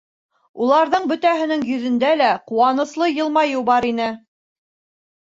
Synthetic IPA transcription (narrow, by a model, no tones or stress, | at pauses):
ulˠɑɾðɤɴbɵ̆t̪æɦɘ̆nɘŋjɵ̆ðɵ̆nd̪ælæquwɑnɤ̆slˠɤjɤ̆lˠmɑjubɑɾinɘ